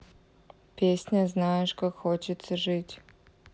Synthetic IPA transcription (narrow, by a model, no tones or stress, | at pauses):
pʲesʲnʲɐznajɛʂkakxot͡ʃɪt̪sɐʐɨtʲ